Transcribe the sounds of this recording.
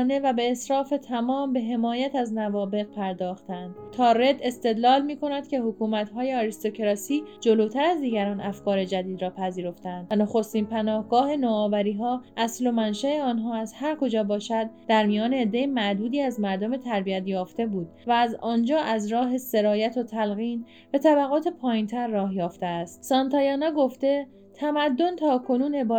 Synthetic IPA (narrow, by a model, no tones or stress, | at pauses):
ne̞væbe̞ːsɾɒːfe̞t̪ʰæmɒːmbe̞ɦe̞mɒːjæt̪æznævɒːbe̞ɣpʰæɾd̪ɒːxt̪ænd̪̥t̪ʰɒːɾe̞d̪e̞st̪e̞d̪lɒːlmiːko̞næd̪cʲʰe̞ɦokʰuːmæt̪ɦɒːje̞ɒɾist̪o̞cʰeɾɒːsiːd͡ʒo̞loːt̪ʰæɾæzd̪iːɡæɾɒːnʔæfkɒːɾe̞d͡ʒæd̪iːd̪ɾɒːpʰæziːɾo̞ft̪eæænd̪noxo̞st̪iːnpʰænɒːhɡ̥ɒːhe̞noɒːvæɾiːɦɒːʔæslo̞mænʃæe̞ɒːnɦɒːæzhæɾkʰo̞d͡ʒɒːbɒːʃæd̪d̪æɾmijɒːne̞ːd̪ːe̞jemæʔd̪uːd̪iːæzmæɾd̪o̞me̞t̪ʰæɾbiæt̪jɒːft̪e̞buːd̪̚væːzɒːnd͡ʒɒːʔæzɾɒːɦe̞se̞ɾɒːjæt̪ʰot̪ʰælɣiːn | be̞t̪ʰæbæɣɒːt̪ʰe̞pʰɒːjint̪ʰæɾːɒːhjɒːft̪e̞æst̪sɒnt̪ʰɒːjɒːnɒːɡo̞ft̪e̞ | t̪ʰæmæd̪ːo̞nt̪ʰɒːkʰo̞nuːne̞bɒː